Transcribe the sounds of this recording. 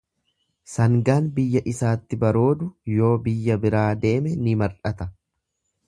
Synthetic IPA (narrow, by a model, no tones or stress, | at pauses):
sɐŋɡaːnbɪjːɐʔɪsaːt̪ːɪbɐɾo̞ːd̪ʊjo̞ːbɪjːɐbɪɾaːd̪e̞ːmɛnɪmɐɾᶑɐt̪ɐ